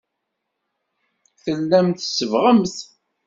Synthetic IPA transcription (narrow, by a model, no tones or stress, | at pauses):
θəlːæmθəsːəvʁəmθ